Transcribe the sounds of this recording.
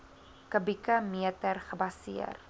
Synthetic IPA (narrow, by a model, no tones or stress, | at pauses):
kəbikɐmiətərχəbɐsḭə̰r